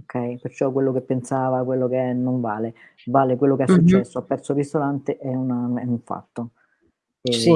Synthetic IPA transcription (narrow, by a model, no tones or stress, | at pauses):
okʰːɛjpert͡ʃɔkːwelːokepːensaːvakwelːokenːoɱvaːle | vaːlekwelːokeɛsːut͡ʃːɛsːoapːɛrt̪soɾisolant̪eʔɛunaɛuɱfa̰t̪ːo | e